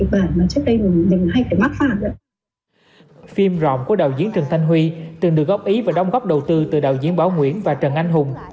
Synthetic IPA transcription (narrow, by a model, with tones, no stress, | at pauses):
ɓaː˧˩nmaː˨˩t͡ɕɨ˦˥ək̚ɗə˧jmi˨˩˨ne˨˩m˨˩ɦa˧jfaː˧˩jma˦˥t̚faː˧˩nə̰˧˦ | fi˧mzɔ̰˧˨ŋ͡mku˧˩əɗaː˨˩wzi˨˦ənt͡ɕɨ˨˩əŋt̪ʰjŋ̟ɦwi˧t̪ɨ˨˩ŋɗɨ˨˩ək̚ɣɔ˦˥p̚ʔi˨˦vaː˨˩ɗa˧wŋ͡mɣɔ˦˥p̚ɗə˨˩wt̪ɨ˧t̪ɨ˨˩ɗaː˨˩wzi˨˧˦ənɓaː˨˦wŋwḭ˧˥ənvaː˨˩t͡ɕə˨˩nʔa˧jŋɦʊ˨˩ŋ͡m